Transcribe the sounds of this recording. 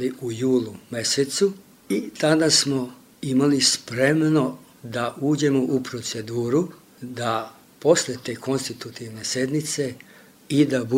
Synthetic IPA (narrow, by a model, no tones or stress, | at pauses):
liʔujuːlˠume̞set̪su | it̪ad̪asmo̞ | imalispɾe̞mno̞ | d̪aʔuːd͡ʑe̞moʔupɾo̞t̪se̞d̪uːɾu | d̪a | po̞sle̞t̪e̞ːko̞nst̪it̪ut̪iʋne̞sje̞d̪nit̪se̞ | id̪abu